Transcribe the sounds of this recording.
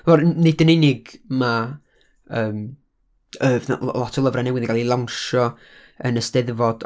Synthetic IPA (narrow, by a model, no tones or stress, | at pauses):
vɔrnɪdənenɪɡma | əːm | əːvna̰lˠɔtʰɔləvranɛwɪðəŋɡalˠilˠawnʃɔ | ə̰nəstɛðvɔd̥